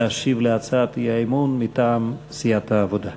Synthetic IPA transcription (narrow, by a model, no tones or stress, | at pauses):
aʃivleat͡sat̪ijaimunmit̪aːmsijat̪haːvod̪a